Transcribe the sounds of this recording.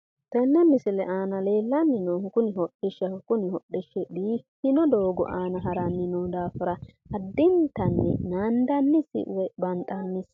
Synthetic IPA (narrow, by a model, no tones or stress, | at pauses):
t̪ɛnːɛmɪsɪlɛʔaːnɐle̞ːlːɐnːɪnɔwkʊnɪhɔɗːɪʃɐkʊnɪhɔɗːɪʃːɛɗiːfɪnɔd̪oːɡɔ̰ʔaːnɐɦɐɾɐnːɪnɔwd̪aːfɪɾɐ | ɐd̪ːɪnt̪ɐnːɛ̰naːnd̪ɐnːɪsɪ̰wɛbɐnt̪ʼːɐnːɪs